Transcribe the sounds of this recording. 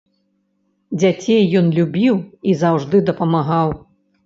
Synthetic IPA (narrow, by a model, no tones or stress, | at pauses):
d͡zʲat͡sʲejːɔnlʲubʲiwizawʐd̪ɨd̪ɐpɐmaɣaw